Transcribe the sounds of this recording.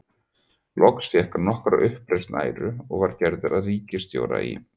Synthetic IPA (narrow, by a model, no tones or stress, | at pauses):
lʔɔksfjɛhkaɾnɔhkɾa̰ʔʏhpɾejst̪na̰ːjɾʏɔɣvaɾcɛɾðɪɾaðriːcɪst̪jo̰ːwɾa̰ḭ